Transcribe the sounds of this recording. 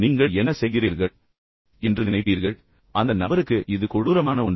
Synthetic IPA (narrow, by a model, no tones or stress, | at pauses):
niːŋɡɐɛnɐsɛjɣɪriːɾɣɐɭ | ɛndrɯnɪnɐɪpːiːɾɣɐɭ | ʔɐnd̪ɐnɐbɐɾɯkːɯʔɪðɯkʊɻuːɾɐmaːnɐʊɳ